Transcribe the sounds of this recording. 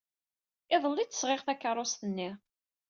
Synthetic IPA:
ɪðˤəlːit͡s̪ːə̥sʁeʁθækːəɾˤʊst̪ənːi

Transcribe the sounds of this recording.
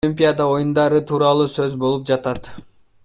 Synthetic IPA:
imʲpʲijad̪ɑo̞jund̪ɑɾɯt̪ʰuːɾɑlˠuːsø̞zbo̞lˠup̚d͡ʒɑt̪ɑt̪

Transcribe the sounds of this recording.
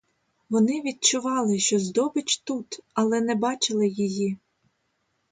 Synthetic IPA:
ʋɔnɪʋʲid̪̚t͡ʃʊʋɑlˠɪʃt͡ʃɔzd̪ɔbɪt͡ʃt̪ut̪ɐlˠɛnɛbɑt͡ʃɪlˠɪjiji

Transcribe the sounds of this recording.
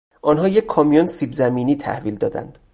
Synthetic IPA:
ʔɒnɦɒːje̞kʰːɒːmijonsiːbzæmiːniːt̪ʰæ̰hviːld̪ɒ̰ːd̪æ̰nd̪̥

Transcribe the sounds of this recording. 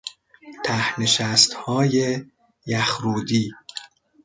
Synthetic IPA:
t̪ʰæhneʃæst̪hɒːje | jæxɾuːd̪iː

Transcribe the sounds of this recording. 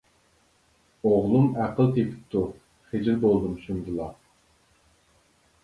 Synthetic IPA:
oʁlˠumæqəlˠt̪ʰepʰɪ̥p̚t̪ʰu | χed͡ʒɪɾbolˠd̪umʃund̪ɨlˠɑ

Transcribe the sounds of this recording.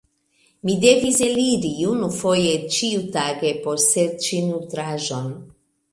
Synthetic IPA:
mid̪evizeliɾijunufojet͡ʃiut̪aɡeposet͡ʃinut̪ɾaʒon

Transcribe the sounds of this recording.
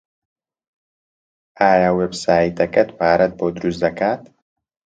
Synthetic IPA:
aːjawebsaːjt̪ɐkɐt̪paːɾɐt̪̚boːd̪ɾusd̪ɐkaːt̪

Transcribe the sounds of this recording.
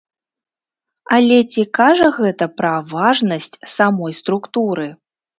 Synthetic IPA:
alʲɛt͡sʲikaʐɐɣɛt̪ɐpɾɐvaʐnɐsʲt͡sʲsamɔjst̪ɾukt̪uɾɨ

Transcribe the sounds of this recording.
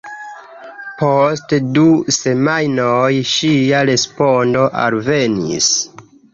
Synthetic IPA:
postduse̞majnojʃiaɾe̞spondo̞ʔa̰lve̞nḭs

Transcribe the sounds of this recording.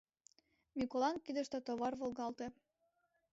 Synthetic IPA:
mʲikolˠɑnkid̪ə̆ʃt̪et̪oβɑrβolˠɣɑlt̪ĕ

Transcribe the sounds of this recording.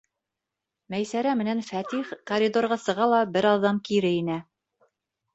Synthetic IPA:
mæjsæɾæmɘ̆nænfæt̪iχkɐɾʲid̪orʁɑsɤ̆ʁɑlˠɑbɘɾɑðːɑmkiɾɘinæ

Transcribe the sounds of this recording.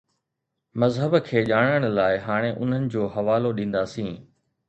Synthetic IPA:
mɐzɦəbkʰeːʄaːɽ̃əɽ̃laːɪɦaːɽ̃eʔʊn̤ənɪ̆d͡ʑoːɦɐʋaːloɗĩːn̆d̪aːsĩː

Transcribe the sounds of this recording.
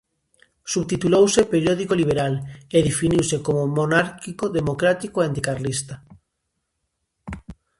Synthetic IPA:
suβt̪it̪ulowsepeɾjoðikoliβ̞eɾaleðefiniwsekomomonaɾkikoðemokɾat̪ikoeant̪ikarlist̪a

